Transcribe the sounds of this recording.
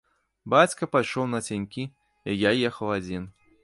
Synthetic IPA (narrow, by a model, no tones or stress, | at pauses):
bat͡sʲkɐpajʂɔwnɐt͡sʲanʲkʲi | ijajɛxɐwad͡zʲin